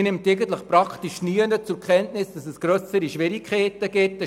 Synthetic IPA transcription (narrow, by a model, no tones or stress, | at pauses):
nɪmteɡən̩tləχpɾɑkχtiʃnyənət͡sʊɾkʰɛntnɪsd̥ɑsɛsɡ̥ɾœsəɾiʃʋɪɾikʰeːtəɡ̥ɪtːə